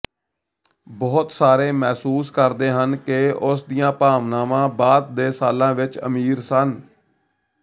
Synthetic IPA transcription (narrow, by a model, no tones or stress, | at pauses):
bɔːt̪saːɾeːmɛːsuːskəɾd̪eːɦənkɪʊsd̪ijãːpaːʋnaːmãːbaːd̪̚d̪eːsaːlãːʋɪt͡ʃə̰miːɾsən